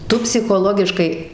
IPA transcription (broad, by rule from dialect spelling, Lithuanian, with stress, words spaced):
ˈtʊ pʲsʲɪxoːˈlˠoːɡʲɪʃkɐɪ